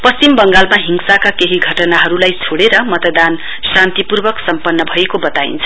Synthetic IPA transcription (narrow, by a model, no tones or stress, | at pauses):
pʌst͡simbʌŋɡalmaɦiŋsakakeɦiɡʱʌʈʌnaɦʌɾulajt͡sʰoɽeɾʌmʌt̪ʌd̪an | sant̪ipurbʌksʌmpʌnːʌbʱʌekobʌt̪aḭnt͡sʰʌ̥